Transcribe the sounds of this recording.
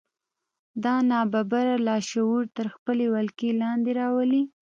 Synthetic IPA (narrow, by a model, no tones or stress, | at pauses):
d̪ɑnɑbabaɾalɑʃawuɾt̪əɾxpəlewalkelɑnd̪eɾɑwəli